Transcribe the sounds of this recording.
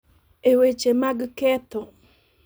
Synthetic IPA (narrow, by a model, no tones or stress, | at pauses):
ewet͡ʃemaɡket̪o